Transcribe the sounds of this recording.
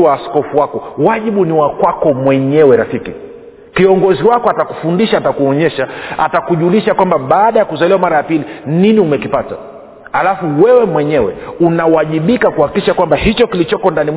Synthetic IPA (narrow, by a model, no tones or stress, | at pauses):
waːskɔfuwakɔwaʄiɓuniwakwakɔmwɛɲɛwɛɾafiki | kiɔŋɡɔziwakɔataku̥fundiʃaːtakuɔɲɛʃaa̰takuʄuːliʃakwambaɓaːɗajakuzaliwamaɾajapilininiumɛkipata̰ | halafuwɛwɛmwɛɲɛwɛ̰unawaʄiɓikakuhakiʃakwambahit͡ʃɔkilit͡ʃɔkɔndani